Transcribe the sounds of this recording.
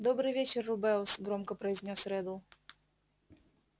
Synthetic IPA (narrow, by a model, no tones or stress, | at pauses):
d̪ɔbɾɘvʲet͡ʃɛrːubɛwsɡɾɔmkɔpɾɛjzʲnʲɔsɾɛd̪ɔw